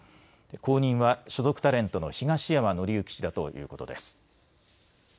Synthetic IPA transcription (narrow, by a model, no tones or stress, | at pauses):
ko̞ːɲ̟ĩɰ̃βaɕo̞zo̞kɯ̟̥t̪aɾẽ̞nt̪o̞no̞çiɡaɕijamano̞ɾʲiɯ̟kʲi̥ɕid̪at̪o̞̰jʔɯ̟̰ːko̞t̪o̞d̪e̞sɨ̥